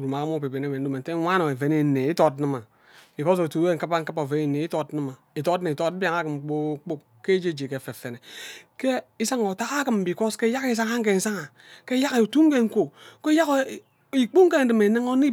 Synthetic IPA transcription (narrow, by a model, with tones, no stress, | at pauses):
ɾu˨ma˨ka˦m˦o˦˨pe˨be˨ne˦˨me˨n˦o˦me˨n̩˦te˦wa˦no˨e˨ve˨ne˨ne˨i˦to˦t̚nɨ˦ma˨ | bi˨ko˦s̬o˨tu˨˦e˦ŋ̩˨kɨ˦pa˦ŋ̩˦kɨ˦po˨ve˨ne˨ne˨i˦to˦tnɨ˦ma˨i˨to˦tni˨i˨to˦tba˨ŋa˦kɨ˨m˨k͡po˦k͡pu˦k | ke˦d͡ʒe˦d͡ʒe˨ke˨fe˨fe˨ne˨ke˦i˦sa˦ŋo˨ta˦ka˦kɨ˨m˨bi˨ko˦ske˦ja˦ke˦s̬a˦ŋa˦ŋ̩˦k̬e˨n̩˨sa˦ŋa˨ | ke˦ja˦ke˨tu˦ŋ˦ke˦ŋ̩˦ko˨ke˦ja˦k | i˨k͡pu˦ŋke˦n̩˦dɨ˨me˨nɨ˦ŋo˦ni˦